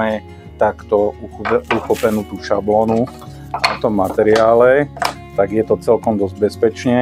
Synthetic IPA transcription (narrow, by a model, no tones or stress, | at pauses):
ɛ | t̪akt̪ɔ | uxɔpɛnuːt̪uːʃablɔnu | aɔt̪ɔmːat̪ɛɾɪaːlɛ | t̪aɡjɛt̪ɔt͡sɛlkɔmd̪ɔzɟ̚bɛspɛt͡ʃɲɛ